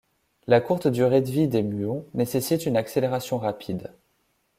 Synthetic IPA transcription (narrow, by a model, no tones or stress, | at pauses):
lakuʁt̪d̪yʁed̪vid̪emyɔ̃nesesit̪ynakseleʁasjɔ̃ʁapʰid̪